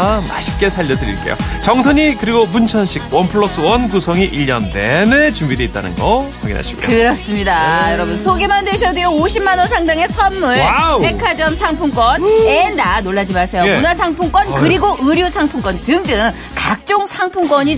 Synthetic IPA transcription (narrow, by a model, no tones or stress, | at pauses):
ma̰ɕʰi̥k͈e̞sʰaʎːʌdɯɾḭɭk͈ejo̰t͡ɕʌŋsʰʌɲikɯɾiɡomunt͡ɕʰʌnɕʰiɡ̚wʌnpʰɯɭʌs͈ɯwʌnkusʰʌŋiʔiʎːʌnde̞nɯɭt͡ɕumbide̞it͈a̰nɯ̰nɡʌkwaŋɡḭnɦa̰ɕʰi̥ɡo̰j̰oɯɾʌs͈ɯmɲidajʌɾʌbunsʰoɡemandeɕʰʌdijooɕʰimːanwʌnsʰaŋdaŋe̞sʰʌmːuɭpekʰad͡ʑʌmsʰaŋpʰuŋk͈wʌnendanoɭːad͡ʑimasʰe̞jonasʰaŋpʰuŋk͈wʌnkɯɾiɡoʔɯɾjusʰaŋpʰuŋk͈ʌntɯŋt͈ɯnɯn | kak̚t͡ɕ͈oŋsʰaŋpʰuŋk͈wʌɲi